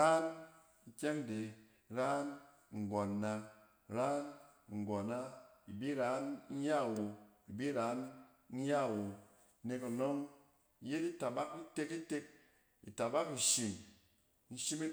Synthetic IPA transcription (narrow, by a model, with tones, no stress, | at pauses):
ɾa˦n | i˦˧kʲe˦ŋde˨ | ɾaː˦n | ŋ̩˨ɡo˨nːa˧ | ɾa˦nŋ̩˨ɡo˨na˦i˨bi˦ɾa˨˦n̩˦ja˦˨wo˧i˨bi˦ɾa˨˦n̩˦ | ɲa˦˨wo˨˦ | ne˧ku˨no˦ŋ˦ | je˦di˦ta˨ba˦ki˦te˧ki˦te˧k̚ | ḭ˨ta˨ba˦ki˨ʃi˨n | n̩˦ʃi˦mi˦